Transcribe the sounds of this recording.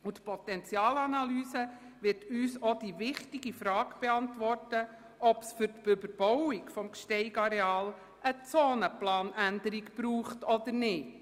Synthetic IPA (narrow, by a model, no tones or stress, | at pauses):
ut̪pʰɔt̪ɛnt͡sjɑːlɑnɑlyːsə | ʋɪrtyːsɔd̥̪iʋɪχtiɡifɾɑːɡb̥ɛɑntʋɔrtə | ʔɔpsfʏɾtb̥ɵbəɾb̥ɔwikfɔmkʃtɛɪɡɑɾɛɑːl | ət͡soːnəplɑːnænd̪əɾikb̥ɾuːχtɔd̪əɾnɪt